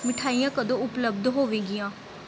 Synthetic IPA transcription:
mɪʈʰaːijãːkəd̪õːʊpləb̚d̪ɦoːʋeːɡɪjãː

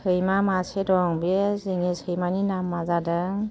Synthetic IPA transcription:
sʰɯjmamasedɔŋbezeŋesɯjmaninamːazadɯŋ

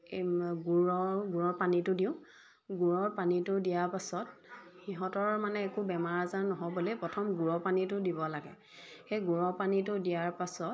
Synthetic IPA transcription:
ɡuɹɔɡuɹɔɹpanitʊdiʊ̃ | ɡuɹɔɹpanitʊdijaɹpasɔt̚xiɦɔtɔɹmanɛːkubɛmaɹazaɹnɔɦɔbolepɹɔtʰɔmɡuɹɔpanitʊdibɔlaɡɛ̰ | xejɡuɹɔpanitʊdijaɹpasɔt̚

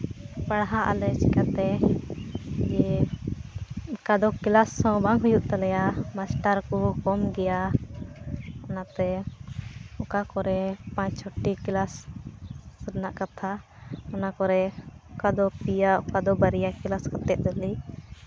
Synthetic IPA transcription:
paɽɦãʔa̰lɛt͡ʃikat̪ɛ | d͡ʒɛ | kad̪ɔkilasːɔ̃baŋɦujuʔt̪alɛjamasʈaɾkɔkɔmɡɛja | ɔnat̪ɛ | ɔkakɔɾɛpãt͡ʃt͡ʃʰɔʈːikilasː | əɾnaʔkat̪ʰa | ɔnakɔɾɛɔkad̪ɔpijaʔɔkad̪ɔbaɾijakilaskat̪ɛʔ̪̚ɾɛli

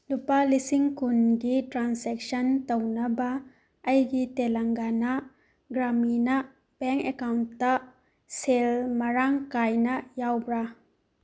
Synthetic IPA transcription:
lupalisiŋkunɡitɾansek̚sɐntɐwnɐbɐː | jɡitelɐŋɡanɐ | ɡɾaminɐ | b̥eŋkekawntːɐ | selmɐɾaŋkajnɐjawbɾa

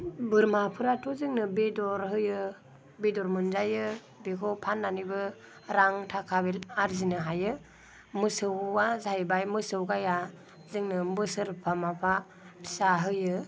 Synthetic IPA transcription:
bɯɾmapʰɯɾatʰuzɯŋnɯbedɔɾɦɯjɯ | bedɔɾmɯnzajɯ | bekʰɔpʰanːanibɯ | ɾaŋtʰakʰabelaɾzinɯɦajɯ | mɯsɯwazajbajmɯsɯwɡaja | zɯŋnɯmɯsɯɾpʰamapʰa | tʰsaɦɯjɯ

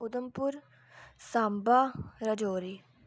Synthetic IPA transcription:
ʊd̪əmpʊɾ | saːmbaɾɐd͡ʒoːɾi

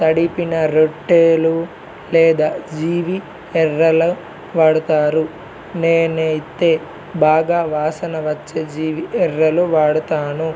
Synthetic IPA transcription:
t̪ɐɽipinɐɾoʈːeːlu | lɛːd̪aːd͡ʒiːʋi | ɛɾːɐlɐ | ʋaːɽut̪aːɾu | neːnɐjt̪eː | baːɡaːʋaːsɐnɐʋɐt͡ʃːɐd͡ʒiːʋiʔɛrːɐluʋaːɽut̪aːnu

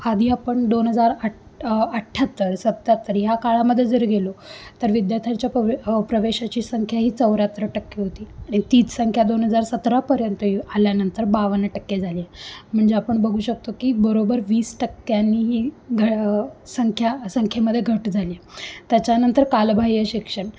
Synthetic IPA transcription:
ad̪ʱiːapəɳd̪onɦəd͡zaɾə | əʈʰːat̪ːəɾsət̪ːat̪ːəɾjakaɭaməd̪ʱːjed͡zəɾɡʱelot̪əɾʋid̪jat̪ʰat͡ɕjapɾəʋeɕat͡ɕiːsəŋkʰjaɦiːt͡səʋɾat̪ɾəʈəkːeɦot̪iːaɽ̃it̪iːt͡ssəŋkʰjad̪onɦəd͡zaɾsət̪ɾapəɾjənt̪aljanənt̪əɾbaʋənːʈəkːed͡zʱaliem̤əɳd͡zeapəɳbəɡʱuːɕək̚t̪okiːbəɾobəɾʋiːsʈəkːjanːiːɦiːɡʱəsəŋkʰjasəŋkʰeməd̪ʱːjeɡʱəʈd͡zʱaliet̪jat͡ɕjanənt̪əɾkalbʱajəɕikʂəɳ

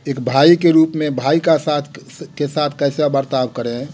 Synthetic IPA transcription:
eːkbʱaikeɾuːpmẽbʱaikasat̪ʰ | kesat̪ʰkəɪseabəɾt̪abkəɾẽ

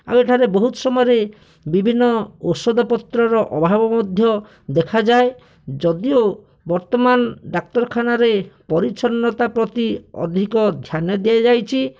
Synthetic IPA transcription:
a̰weʈʰaɾebɔɦut̪ɔ̥sɔmɔjɔɾe | bibʱinːɔosɔd̪ɔpɔt̪ɾɔɾɔʔɔbʱabɔmɔd̪ʱjɔ | d̪ekʰad͡ʒae | d͡ʒɔd̪io | bɔɾt̪ɔmanɖak̚t̪ɔɾɔkʰanaɾepɔɾit͡ʃɔnːɔt̪apɾɔt̪iɔ̰d̪ʱikɔd̪ʱjanɔd̪iad͡ʒajt͡ʃʰi

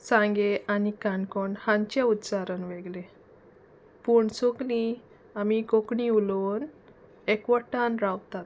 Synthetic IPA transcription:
sãŋɡeʔanikaɳkɔɳhãɲt͡ɕaut̪t͡saɾənʋeɡlẽ | puɳsoɡlĩ | amikokɳiulon | ekʋəʈanɾawt̪at̪

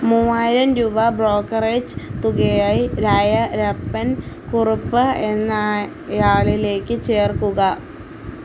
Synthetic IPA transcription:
muːaːjiɾɐmɾuːbɐbro̞ːkːɐred͡ʑɨ̥t̪uɣejaːjiɾajɐɾɐpːɐnkurupːɨe̞nːa | jaːɭile̞ːkːɨt͡ɕe̞ːrkuɣɐ

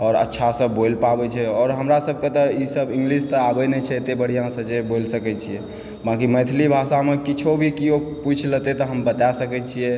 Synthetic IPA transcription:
ɔːɾə̰tːʃʰasəbolpabɛt͡ʃʰɛɔːɾɦəmɾasəb̚ʱket̪ɔisəbĩŋɡlist̪əabɛnet͡ʃʰɛt̪ebəɽ̤ijãsəd͡ʒebolsəkɛt͡ʃʰiɛ | bãkiməjt̪ʰlibʱasamekit͡ʃʰobʱikioput͡ʃʰlət̪et̪ɔɦəmbət̪asəkɛt͡ʃʰijɛ

